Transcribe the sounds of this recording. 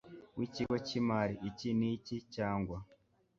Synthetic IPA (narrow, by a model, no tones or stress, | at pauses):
wiciɡocimaɾiʔːcinicicaːŋɡwa